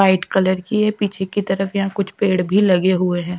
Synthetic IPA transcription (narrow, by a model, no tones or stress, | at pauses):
aːɪʈkɐləɾkiɦɛpiːt͡ʃʰekit̪ɐɾəfjɐɦãkʊt͡ʃʰpeːɽbʱilɐɡeɦueɦɛ̃ː